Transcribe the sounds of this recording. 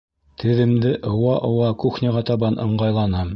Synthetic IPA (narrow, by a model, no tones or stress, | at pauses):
t̪ʰɘ̆ðɘ̆md̪ɘʔŏwɑʔŏwɑkuxnʲɘʁɑt̪ɑβɑnʔɤ̆ɴɢɑjlˠɑnɑm